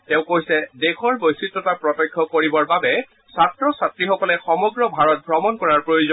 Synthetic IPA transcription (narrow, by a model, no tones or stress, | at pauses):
tɛ̃ʊ̃kojsɛdexʰɔɹbojsitɹɔtapɹɔtɔkʰːɔkoɹibɔɹbabɛ | satɹɔsatɹixɔkɔlɛxɔmɔɡɹɔbʱaɹɔt̚bɹɔmɔnkɔɹaɹpɹojuzɔn